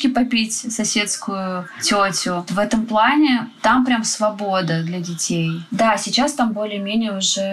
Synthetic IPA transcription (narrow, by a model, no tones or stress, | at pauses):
kʲɪpɐpʲitʲsɐsʲet̪skʊjʊtʲotʲʊvɛt̪əmplˠanʲɪt̪ampɾʲamsvɐbo̞d̪əd̪lʲɐdʲɪtʲejd̪asʲɪt͡ɕast̪ambo̞lʲɪjəmʲenʲɪjəʊʐɛ